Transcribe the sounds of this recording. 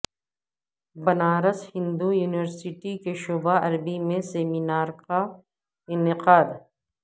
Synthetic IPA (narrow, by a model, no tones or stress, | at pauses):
bɐnaːɾəshɪ̃nd̪ujuːnɪʋəɾsɪʈikeʃoːbaɐɾbimẽseːminaːɾka | ɪnɪqaːd̪